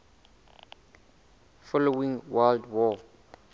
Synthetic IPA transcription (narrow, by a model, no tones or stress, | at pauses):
fɔlowĩŋwaldwɔ